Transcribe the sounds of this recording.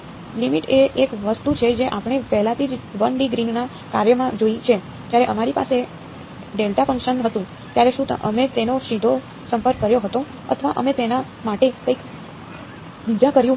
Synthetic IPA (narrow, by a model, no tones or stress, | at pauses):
limiʈeʔekʋəst̪ut͡ʃʰed͡ʒeʔapɽ̃epɛɦlat̪ʰid͡ʒʋəɳɖiɡɾina | kaɾjəmãd͡ʒoit͡ʃʰe | t̪jaɾeʔəmaɾipa̰se | ɖelʈafə̃ŋkʃənɦət̪ũ | t̪jaɾeʃũt̪ʔəmet̪enoʃid̪ʱo | səmpəɾkːəɾjoɦət̪o | ə̰t̪ʰəʋaʔəmet̪ena | maʈekəik | ʋid͡ʒakəɾjũ